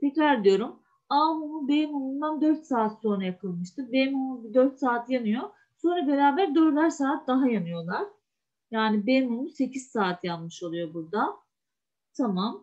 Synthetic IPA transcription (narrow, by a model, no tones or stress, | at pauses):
t̪ʰecɾæɾd̪ijo̞ɾum | amumubejimumund̪and̪øɾt̪saːt̪so̞nɾajakʰɯlˠmɯʃt̪ʰɯbejmumubid̪øɾt̪saːt̪ʰjanɯjo̞ | so̞nɾabe̞ɾaːbæɾd̪øɾlʲæɾsaːt̪̚d̪aɦajanɯjo̞lˠaɾ̥ | jaːnibejmumuse̞cʰiz̥saːt̪ʰjanmɯʃo̞lˠujo̞buɾd̪a | t̪ʰamam